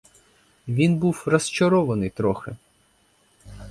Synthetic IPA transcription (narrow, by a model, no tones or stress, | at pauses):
ʋʲinbuwrɐst͡ʃɐɾɔʋɐnɪjt̪ɾɔxɪ